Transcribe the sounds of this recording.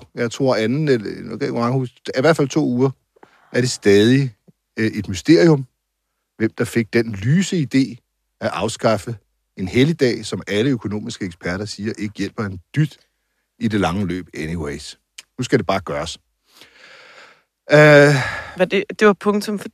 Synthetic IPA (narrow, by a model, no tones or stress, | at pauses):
jɑ̈ɪt͡sʰʁo̝ɐ̰ænn̩ekʰeɡ̥mɑ̈ŋhuiʋæɐdfælt͡sʰo̝̰ːuːɐ | ʔæɐɾ̥e̝sd̥ɛːð̞ˠi | e̝d̥mysd̥e̝ɐ̰iɔ̽m | ʋem̰d̥ɑ̈fe̝ɡ̥̚d̥enlyːsəid̥e̝̰ː | æʔɑ̈ʊsɡ̥ɑ̈fə | e̝nhelid̥ɛ̰ːsɒ̽mæləøkʰo̝no̝̰ːmisɡ̥əeɡ̥spʰæɐɾɐsiːɐʔe̝ɡ̥əjel̰b̥ɐend̥yd̥ | ide̝lɑ̈ŋəlø̰ːb̥eniweɪs | nusɡ̥æd̥e̝b̥ɑ̈ːɡ̥ɶːɐs | ded̥e̝ʋɑ̈pʰɔŋt͡sʰɔ̽mf